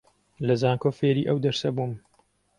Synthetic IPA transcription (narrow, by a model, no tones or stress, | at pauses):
lɐzaːŋkoːfeːɾiːʔɐwd̪ɐɾsɐbum